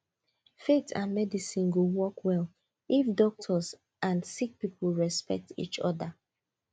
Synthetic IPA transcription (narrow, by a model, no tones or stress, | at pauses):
fetʰã̰nmɛdisĩnɡowɔkwɛl | ifdɔk̚tʰɔs | ʔãnsik̚pipʰlɹɛspɛ̰k̚tḭt͡ʃɔ̰ða